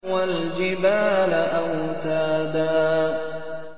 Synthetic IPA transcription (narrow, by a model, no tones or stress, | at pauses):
wald͡ʒɪbaːlaʔawt̪aːd̪aː